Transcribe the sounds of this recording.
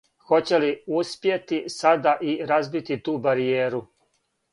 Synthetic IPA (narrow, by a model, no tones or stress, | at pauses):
xo̞t͡ɕeliuspjet̪isad̪aʔiɾazbit̪it̪uːbaɾijeːɾu